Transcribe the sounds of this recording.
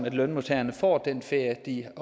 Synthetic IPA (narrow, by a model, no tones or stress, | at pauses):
mæd̥lœnmo̝t͡sʰæːɐnəfɒ̰ːd̥enfeɐd̥i